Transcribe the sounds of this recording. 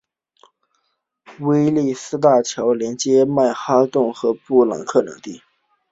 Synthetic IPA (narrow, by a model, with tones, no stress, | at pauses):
we˥ɪli˥˩sɹ̩˥t̪̬a˥˩t͡ɕʰjɑ˧˥ʊljɛ˧˥nt͡ɕjɛ˥ma˥˩ɪxa˥t̪ʊ˥˩ŋxɤ˧˥pu˥˩lɑ̰˨˩ŋkʰɤ˥˩nɤ̰˧˥˦ŋt̪i˥˩